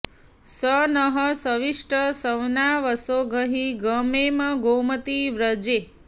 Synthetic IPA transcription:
sənəɦəsəʋiʂʈəsəwnaʋəsoɡəɦiɡəmemə̃ɡomət̪iʋɾəd͡ʒe

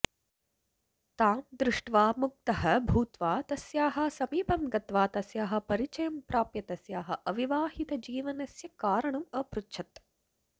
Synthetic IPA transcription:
t̪aːmd̪ɾɪʂʈʋaːmuk̚t̪ɐhɐ̆bʱuːt̪ʋaːt̪ɐsjaːɦɐ̆sɐmiːpɐmɡɐt̪ʋaːt̪ɐsjaːɦɐ̆pɐɾit͡ʃɐjɐmpɾaːpjɐt̪ɐsjaːɦɐ̆ʔɐʋiʋaːɦit̪ɐd͡ʒiːʋɐnɐsjɐkaːɾɐɳɐmɐːpɾutːʃʰɐt̪

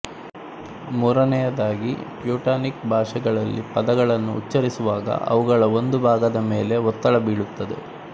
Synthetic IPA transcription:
muːɾɐnɛjɐd̪aːɡḭpjuːʈaːnik̚bʱaːʂɐɡɐɭɐlːḭpɐd̪ɐɡɐɭɐnːṵːtːt͡ʃːɐɾisuʋaːɡɐ̰ʔɐ̰ʋuɡɐɭɐo̞nd̪ubʱaːɡɐd̪ɐme̞ːle̞ɔt̪ːɐɭɐbiːɭut̪ːɐd̪e̞̰

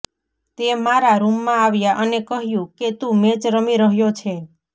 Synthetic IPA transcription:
t̪emaɾaɾumːãaʋjaʔənekəɦjũket̪ũmet͡ʃɾəmiɾəɦjot͡ʃʰe

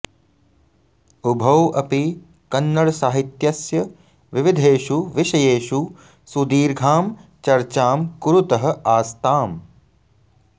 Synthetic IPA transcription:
ubʱɐwɐpi | kɐnːɐɭsaːɦit̪jɐsjɐ | ʋiʋid̪ʱeːʃuʋɪʃɐjeːʃu | sud̪iːɾɡʱaːmt͡ʃɐɾt͡ʃaːmkuɾut̪ɐɦɐ̆ʔaːst̪aːm

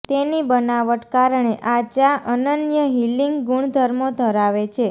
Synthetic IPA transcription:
t̪enibənaʋəʈkaɾɳ̃eʔad͡ʒaʔənənjəɦiliŋɡɡuɳd̪ʱəɾmod̪ʱəɾaʋet͡ʃʰe

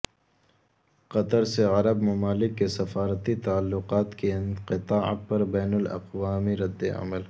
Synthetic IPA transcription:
qɐt̪əɾseɐɾɐbmɐmaːlɪkːesɐfaːɾt̪it̪aːlːʊqaːt̪keɪ̃nqɪt̪aːa̰t̪̚pɐɾbɛːnʊlɐ̰qwaːmiɾɐd̪ːḛɐ̰məl

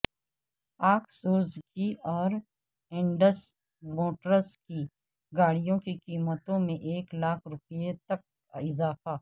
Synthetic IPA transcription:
aːksuːzkiɔːɾ | ɪ̃ɳɖəs | moːʈɾəski | ɡaːɽijõkikiːmət̪õmẽʔeːklaːkʰɾʊpjet̪ɐk̚ | ɪzaːfaː

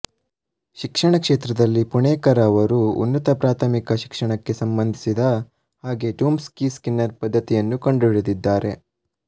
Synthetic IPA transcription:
ʃikʂɐɳɐkʂeːt̪ɾɐd̪ɐlːipuɳɛːkɐɾɐʋɐɾuṵnːɐt̪ɐpɾaːt̪ʰɐmikɐʃi̥kʂɐɳɐkːe̞sɐmbɐnd̪ʱisid̪ɐ | haːɡe̞ʈuːmskiːskinːɐɾpɐd̪ʱːɐt̪ijɐnːukɐɳɖuɭud̪id̪ːaːɾe̞

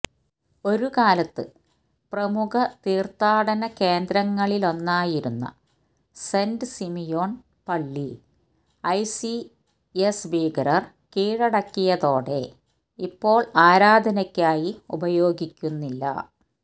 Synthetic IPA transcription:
o̞ɾukaːlɐt̪ːɨ | prɐmukɐt̪iːrt̪aːɽɐnɐke̞ːnd̪ɾɐŋːɐɭilo̞nːaːjiɾunːɐ̰ | se̞ndɨsimijoːɳ | pɐɭːi | ɐjsi | esbiːɡɐɾɐr | kiːɻɐɽɐkːijɐðo̞ːɽe̞ | ipːo̞ːɭaːɾaːd̪ʱɐnɐkʲːaːjiubɐjo̞ːɡikʲːunːilːɐ̰

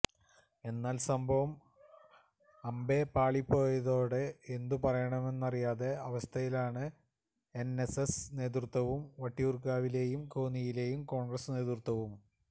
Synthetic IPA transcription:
e̞nːaːlsɐmbʱɐʋɐm | ɐmbe̞paːɭipːo̞ːjɐðo̞ːɽeend̪upɐrɐjɐɳɐme̞nːɐrijaːðe̞ɐʋɐst̪ʰɐjilaːɳɨ | e̞nesesne̞ːt̪̬rut̪wɐʋumʋɐʈːiurkːaːʋile̞ːjumko̞ːnijile̞ːjumko̞ːɳɡrɐsne̞ːt̪rut̪ːɐʋum

